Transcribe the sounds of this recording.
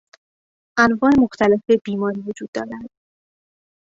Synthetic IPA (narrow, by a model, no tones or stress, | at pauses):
ʔænvɒːemoxt̪ʰæle̞feb̥iːmɒːɾiːvo̞d͡ʒuːd̪ːɒːɾænd̪̥